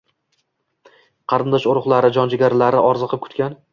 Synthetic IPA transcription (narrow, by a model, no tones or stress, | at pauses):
qʰɑɾɪnd̪ɒʃʊɾʊχlˠaɾɪd͡ʒɒnd͡ʒɪɡʲaɾlaɾɪɒɾzɨqʰɨp̚kʲʰʊ̥t̪kʲan